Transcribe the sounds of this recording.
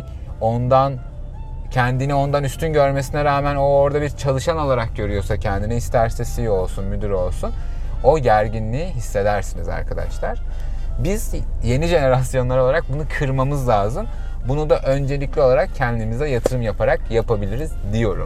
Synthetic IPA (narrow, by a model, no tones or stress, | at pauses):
o̞nd̪an | cʰɛnd̪inio̞nd̪anyst̪ʰynɟø̞ɾme̞sinɛɾaːmæno̞oɾd̪abiɾt͡ʃʰalˠɯʃano̞lˠaɾak̚ɟø̞ɾyjo̞sacʰɛnd̪iniist̪ʰæɾsɛsijo̞lˠsunmyd̪yɾo̞lˠsun | o̞ɟæɾɟinlʲiːɦisːe̞d̪æɾsiniza̰ɾkʰad̪a̰ʃlˠaɾ̥ | bizje̞niʒe̞ne̞ɾasjo̞nlˠaɾo̞lˠaɾak̚bunukʰɯɾmamɯzlʲˠaːzɯm | bunud̪aʔø̞nd͡ʒe̞lʲiclʲio̞lˠaɾakcʰɛnd̪imizd̪ɛjat̪ʰɯɾɯmjapʰaɾak̚japʰabilʲiɾizd̪ijo̞ɾṵm